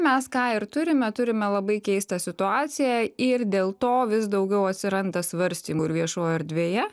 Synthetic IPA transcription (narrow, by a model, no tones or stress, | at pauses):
mʲɛskɑːɪɾt̪ʊɾʲɪmʲɛt̪ʊɾʲɪmʲɛlˠɐbɐɪkʲɛɪst̪ɐsʲɪt̪ʊɑːt̪sʲɪjæɪrd̪ʲeːlˠt̪oːʋʲɪsd̪ɐʊɡʲɛʊɐt̪ʲsʲɪɾɐnd̪ɐsʋɐɾʲsʲt̪ʲiːmʊɪɾʋʲiɛʃoːjɛɾd̪ʲʋʲeːjɛ